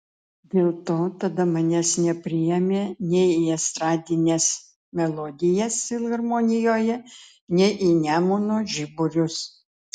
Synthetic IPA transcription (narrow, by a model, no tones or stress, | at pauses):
d̪ʲeːlˠt̪oːt̪ɐd̪ɐmɐnʲɛsnʲɛpʲɾʲɪjɛmʲeːnʲɛiɛst̪ɾɑːd̪ʲɪnʲɛs | mʲɛlˠɔd̪ʲɪjɛsʲɪlˠɣɐɾmoːnʲɪjoːjɛ | nʲɛʔinʲæːmoːnoːʒʲɪbʊɾʲʊs